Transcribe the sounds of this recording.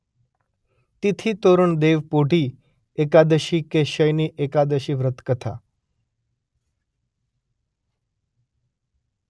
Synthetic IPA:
t̪it̪ʰit̪oɾəɳd̪eʋpoʈi | ekad̪əʃikeʃəjniʔekad̪əʃiʋɾət̪kət̪ʰa̰

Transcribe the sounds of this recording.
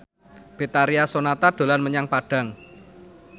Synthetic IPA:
b̥et̪aɾiasonat̪aɖ̪̥o̤lanməɲaŋpaɖ̥a̤ŋ

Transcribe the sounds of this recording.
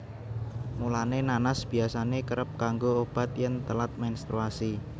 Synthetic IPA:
mulanenanasb̥iasanekəɾəp̚kaŋɡoob̥a̤t̪jənt̪əlat̪̚menst̪ɾuasi

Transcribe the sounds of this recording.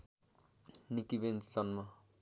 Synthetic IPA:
nikibent͡st͡sʌnma

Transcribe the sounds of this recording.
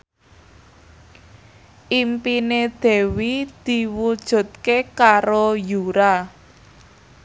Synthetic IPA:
ʔimpined̪̥ɛ̤wid̪̥i̤wud̥ʒ̥ṳt̪̚kekaɾojuɾa

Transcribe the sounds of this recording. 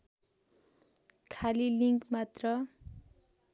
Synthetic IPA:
kʰaliliŋkmat̪rʌ

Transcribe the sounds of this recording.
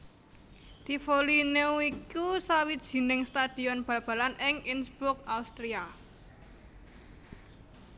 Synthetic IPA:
d̪̥i̤folineuikusawid̥ʒ̥i̤nɪŋst̪ad̪̥i̤ɔnb̥a̤b̥ä̤lanɪŋinsb̥ʊk̚aust̪ɾia

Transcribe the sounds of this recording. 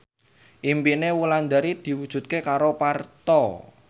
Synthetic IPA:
ʔimpinewuland̪aɾid̪̥i̤wud̥ʒ̥ṳt̪̚kekaɾopart̪ɔ

